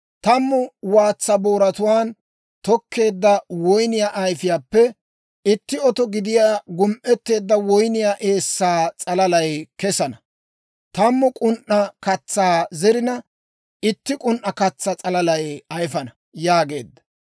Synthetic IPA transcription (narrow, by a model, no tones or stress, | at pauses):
t̪ɐmːʊwaːt͡sːɐboːɾɐt̪ʊwaːn | t̪ɔkʰːe̞ːd̪ːɐwɔjnɪjaːʔɐjfɪjaːpːɛ | ɪt̪ːɪɔt̪ɔɡɪd̪ɪjaːɡʊmʔɛt̪ːe̞ːd̪ːɐwɔjnɪjaːʔe̞ːsːaːt͡sʼɐlɐlɐjkɛsɐnɐ | t̪ɐmːʊkʼʊnʔːɐkɐt͡sːaːzɛɾɪnɐ | ɪt̪ːɪkʼʊnʔːɐkɐt͡sːɐt͡sʼɐlɐlɐjɐjfɐnɐ | jaːɡe̞̰ːd̪ːɐ̥